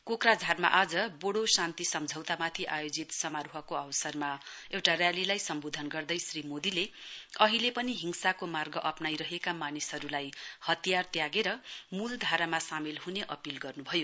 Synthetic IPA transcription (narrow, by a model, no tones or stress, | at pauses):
kokrad͡zʱarma̰ʔad͡zʌboɽosant̪isʌmd͡zʱʌwt̪amat̪ʰiʔajod͡zit̪sʌmaɾuɦʌkoʌwsʌrma | ewʈarjalilajsʌmbod̪ʱʌnɡʌrd̪ʌjsrimod̪ileʌɦilepʌniɦiŋsakomarɡʌʔʌpnajɾʌɦekamanisɦʌɾulajhʌt̪ijart̪jaɡeɾʌmuld̪ʱaɾamasamilɦuneʔʌpilɡʌrnubʱʌjo